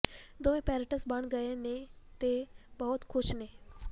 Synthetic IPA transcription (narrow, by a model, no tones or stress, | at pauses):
d̪oẽːpɛːɾəʈəsbəɳɡəẽːnẽːt̪eːbɔːt̪kʰʊʃneː